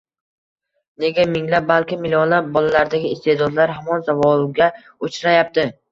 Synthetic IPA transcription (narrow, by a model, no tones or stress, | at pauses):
ne̞ɡʲamɪŋlap̚balkʲɪmɪlʲijɒnlap̚bɒlalaɾd̪aɡʲɪɪst̪ʰe̞d̪ɒd̪laɾɦamɒnzavɒlˠɡʲa | ot͡ʃʰɾajap̚t̪ɪ